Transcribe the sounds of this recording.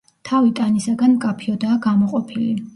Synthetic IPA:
t̪ʰavit̪ʼanisaɡanmkʼapʰiɔd̪aːɡamɔqʼɔpʰili

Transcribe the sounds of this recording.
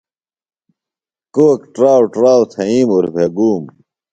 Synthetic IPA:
koːkʈɾaːwʈɾaːwt̪ʰɐiːmuɾbʱeɡuːm

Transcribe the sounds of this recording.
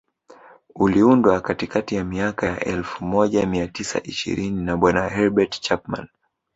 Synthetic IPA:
uliundwakatikatijamiakajaʔɛlfumɔʄamiatisa̰ʔiʃḭɾininaɓwanahɛɾbɛtt͡ʃapma̰n

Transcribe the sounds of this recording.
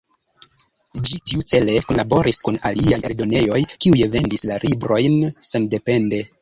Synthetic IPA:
d͡ʒitiut͡se̞le̞konlabo̞ɾʔiskuna̰liajeɾdo̞ne̞jo̞jkiujeve̞ndislaɾʔibɾo̞jnsende̞pe̞nde̞

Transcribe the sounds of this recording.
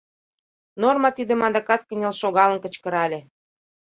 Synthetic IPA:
normɑt̪id̪ə̆mɑd̪ɑkɑt̪̚kə̆nʲelʃoɣɑlənkə̆t͡ɕkə̆ɾɑlʲe

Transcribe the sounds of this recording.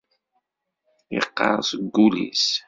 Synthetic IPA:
ḭqːɑ̰ʁsɡulḭs

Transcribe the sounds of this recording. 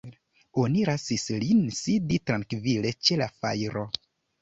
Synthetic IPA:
o̞niɾasislinsiditɾaŋkvile̞t͡ʃe̞lafa̰jɾo̞

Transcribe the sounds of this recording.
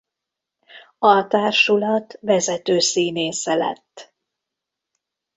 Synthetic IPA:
ɒt̪aːrʃulɒt̪vɛzɛt̪øːsiːneːsɛlɛ̰t̪ː

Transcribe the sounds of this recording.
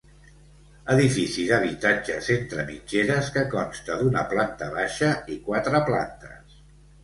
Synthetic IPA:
əðifisiðəβ̞it̪ad͡ʒəzent̪ɾəmid͡ʒeɾəskəkɔmst̪əðunə̰plant̪əβaʃəikwat̪ɾəpla̰nt̪əs

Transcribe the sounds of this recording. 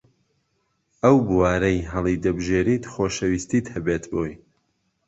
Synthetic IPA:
ʔɐwbɨwaːɾɐjɦɐlˠid̪ɐbɨʒeːɾiːt̪xoːʃɐwiːst̪iːt̪hɐbeːt̪boj

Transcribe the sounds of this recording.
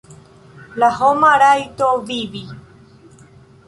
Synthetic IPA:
lahomãɾajt̪oʋiʋi

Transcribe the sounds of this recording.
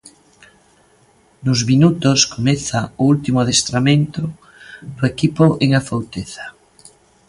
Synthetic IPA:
nʊzminut̪ʊskomeθaoult̪imʊaðest̪ɾamẽnt̪ʊ | d̪ʊekipoʔeŋafowt̪eθḁ

